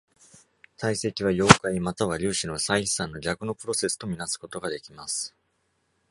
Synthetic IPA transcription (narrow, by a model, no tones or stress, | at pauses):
t̪aise̞kʲiβ̞ajo̞ːkaimat̪aβaɾʲɨːɕino̞saii̥sãnːo̞ɡʲakɯ̟no̞pɯ̟ɾo̞se̞sɨ̥t̪o̞mʲinasɨ̥ko̞t̪o̞ɡad̪e̞kʲimasɨ̥